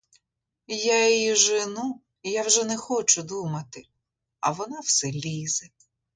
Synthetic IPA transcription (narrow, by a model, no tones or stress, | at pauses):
jaiʒɪnu | jawʒɛnɛxɔt͡ʃʊd̪umɐt̪ɪ | ɐ̰ʋɔnɑwsɛlʲizɛ